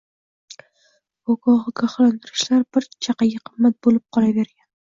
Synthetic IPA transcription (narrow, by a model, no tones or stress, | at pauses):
okɒʁɨɡaχlɒnd̪ɪɾɪʃlaɾbɪɾt͡ʃʰaqɑɡʲaqʰɨmːat̪̚bolɪp̚qʰɒlaveɾɡʲan